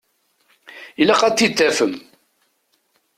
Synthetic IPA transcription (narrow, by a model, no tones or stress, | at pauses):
ilæqɑt͡s̪ːit̪ːæfəm